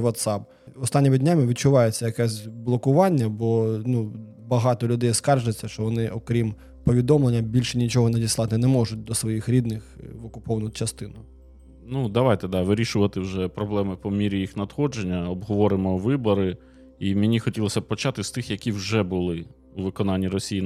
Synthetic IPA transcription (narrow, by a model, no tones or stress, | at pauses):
ʋɔt̪sɑp | ɔst̪ɑnʲːimɪdʲnʲamɪʋʲid̪̚t͡ʃʊʋɑjet͡sʲːɐjɐkɛsʲblˠɔkʊʋɑnʲːɐbɔnu | bɐɦɑt̪ɔlʲʊd̪ɛjskɑrʒet͡sʲːɐʃt͡ʃɔʋɔnɪʔɔkɾʲim | pɔʋʲid̪ɔmlˠenʲːɐbʲilʲʃɛnʲit͡ʃɔɦɔnɐdʲislˠɑt̪ɪnɛmɔʒʊt̚ʲd̪ɔsʋɔjixɾʲid̪nɪxʋɔkʊpɔʋɐnʊt͡ʃɐst̪ɪnʊ | nud̪ɐʋɑjt̪ɛd̪ɑʋɪɾʲiʃʊʋɐt̪ɪwʒɛpɾɔblˠɛmɪpɔmʲiɾʲijixnɐd̪xɔd͡ʒenʲːɐɔbɦɔʋɔɾɪmɔʋɪbɔɾɪ | imʲɪnʲixɔtʲilˠɔsʲɐpɔt͡ʃɑt̪ɪst̪ɪxjɐkʲiwʒɛbʊlˠɪ | uʋɪkɔnɑnʲːiɾɔsʲiji